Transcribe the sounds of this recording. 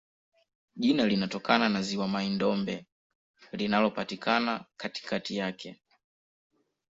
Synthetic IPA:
ʄinalinatɔkʰananaziwamaindɔmbɛ | linalɔpatikʰanakati̥kʰatijakʰɛ

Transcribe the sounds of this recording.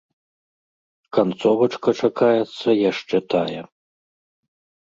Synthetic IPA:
kant̪sɔvɐt͡ʂkɐt͡ʂakajɛt̪sːɐjaʂt͡ʂɛt̪ajɛ

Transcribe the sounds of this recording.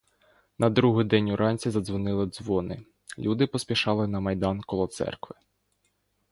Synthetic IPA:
nɐd̪ɾuɦɪd̪ɛnʲʊɾɑnʲt͡sʲizɐd̪zʋɔnɪlˠɪd̪zʋɔnɪ | lʲud̪ɪpɔsʲpʲiʃɑlˠɪnɐmɐjd̪ɑnkɔlˠɔt̪sɛ̰rkʋɪ

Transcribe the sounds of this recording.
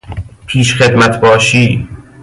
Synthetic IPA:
pʰiːʃxed̪mæt̪ʰbɒːʃiː

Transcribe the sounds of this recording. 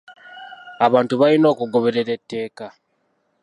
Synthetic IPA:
aβaːntuβalino̞ːkuɡo̞βe̞ɾe̞ɾe̞tːe̞ːka

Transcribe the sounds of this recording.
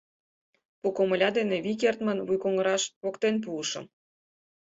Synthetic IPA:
pokomə̆lʲɑd̪eneβik̬ert̪mənβujkoŋəɾɑʃβokt̪enp̬uːʃɤ̰̆m

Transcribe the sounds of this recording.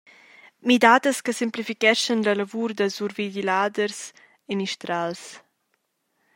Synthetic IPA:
mid̪aːd̪əskəsimplifikɛʃənlɐləvuɾd̪əzuɾvidilaːd̪əɾs | emiʃt̪ɾals

